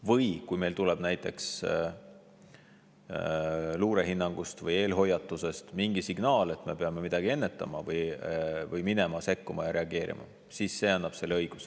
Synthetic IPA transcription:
vɯjkujmelt̪uleb̥næjt̪ˑːe̞ks | luːɾe̞ɦinːɑŋɡ̥ust̪vɯje̞ːlɦo̞jːɑt̪ːˑuse̞st̪miŋɡ̥isiɡ̥nɑːle̞t̪me̞peɑme̞mid̪̥ɑɡ̥ie̞nːe̞t̪ːˑɑ̰mɑvɯjvɯjminemɑse̞kːumɑjɑɾe̞ɑɡe̞ːɾḭmʔɑ̰ | sisːe̞ːɑnːɑb̥se̞lɤjɡ̥us

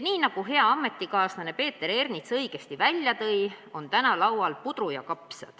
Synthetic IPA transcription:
niːnɑɡ̥uɦe̞ɑɑmːe̞t̪ːˑikɑːsnɑne̞pe̞ːt̪ːˑe̞ɾe̞rnit̪sɤjɡ̥e̞st̪ivælʲːjɑt̪ɤjo̞nt̪ænɑlɑwɑlpud̪̥rujɑkɑpsɑ̰d̪̥

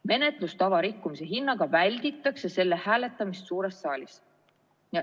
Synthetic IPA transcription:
me̞ne̞t̪ˑlust̪ɑvɑɾikːumise̞ɦinːɑɡ̥ɑvælʲd̪̥it̪ːˑɑkse̞se̞lːehæːle̞t̪ːˑɑmist̪suːɾe̞st̪sɑːlʲis | jɑ

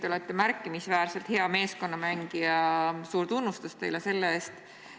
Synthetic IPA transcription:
t̪eo̞let̪ːe̞mæɾkːˑimisvæːɾse̞lt̪he̞ɑme̞ːsko̞nːɑmæŋɡ̥iɑsuːɾt̪unːust̪ust̪e̞jlese̞lːeeːst̪

